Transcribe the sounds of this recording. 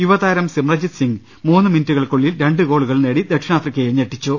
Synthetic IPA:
juʋɐðaːjiɾɐmsimrɐd͡ʑid̪siŋ | muːnːɨminutːuɣɐɭkoɭːilɾe̞ɳɖɨko̞ːɭuɣɐɭneːɽid̪ekʂɐnaːt̪rikʲːɐjeɲeʈːit͡ɕːu

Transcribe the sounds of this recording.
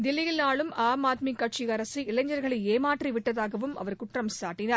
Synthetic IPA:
d̪ɪlɪjɪlnaːɭɯmaːmaːt̪̚mikːɐʈ̚t͡ʃiɣɐɾɐsiɪlɐɲd͡ʒɐɾɣɐɭɐɪeːmaːʈriʋɪʈːɐðaːɣɐʋɯmɐ̰ʋɐɾkʊʈrɐmsaːʈːɪnaːɾ

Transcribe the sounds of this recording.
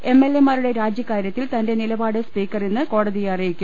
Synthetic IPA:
e̞mːe̞lːe̞maːɾuɽe̞ɾaːd͡ʑjɐkːaːɾjɐt̪ːilt̪ɐnde̞nilɐbaːɽɨspiːkːɐrenːɨko̞ːɽɐðijɐrɐjikʲːum

